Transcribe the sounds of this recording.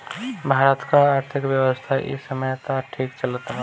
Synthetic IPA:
bʱaːɾət̪kaaːɾt̪ʰɪkʋjəwəst̪ʰaʔɪ̰səməjt̪aʈʰiːkt͡ʃələt̪

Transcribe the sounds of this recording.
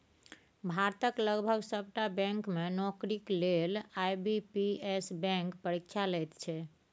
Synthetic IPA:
bʱaɾt̪əkləɡbʱəɡsəbʈabɛ̃ŋkmenɔkɾiklelajbipiesbɛ̃ŋkpəɾikʰʃʰalɛt̪t͡ʃʰɛ

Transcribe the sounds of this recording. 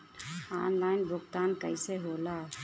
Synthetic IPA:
a̰ːnlaːɪnbʱʊkt̪aːnkəɪseɦoːla

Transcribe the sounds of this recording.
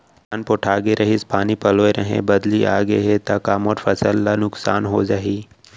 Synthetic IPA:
anpoʈʰaːɡeɾʔɐɦispʰaːnipɐloːeɾɐɦḛ̃bɐd̪liʔa̰ːɡeɦet̪akaːmoːʈfɐsəlːanʊksa̰ːnɦoːd͡ʒaːɦiː

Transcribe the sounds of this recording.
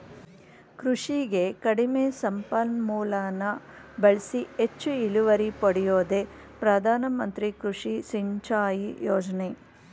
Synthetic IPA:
kɾuʂiɡe̞kɐɽimesɐmpɐlmuːlaːnɐ | bɐɭisiet͡ʃːuiluʋɐɾipɐɽijoːd̪e | pɾɐd̪ʱaːnɐmɐnt̪ɾikɾuʂisiɲt͡ʃaːjijoːd͡ʒɐne

